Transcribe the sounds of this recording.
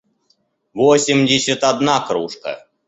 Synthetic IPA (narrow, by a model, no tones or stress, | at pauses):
vosʲɪmdʲɪsʲːət̪ad̪nakɾuʂkə̰